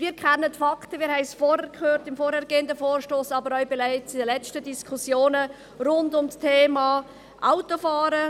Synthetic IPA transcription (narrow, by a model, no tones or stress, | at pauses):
viːɾkʰχɛnːətfɑktəʋɪːɾhɛɪsfɔːɾɛɾkʰχøːɾtɪmfɔːɾhæɾɡ̥eːndəfoːɾʃtoːsɑbəɾœʏɥbɪlaɪt͡sidəlɛt͡ʃtədiskʰʊsjoːnə | ɾʊndʊmstʰeːmɑː | ʔaʊtofɑːɾə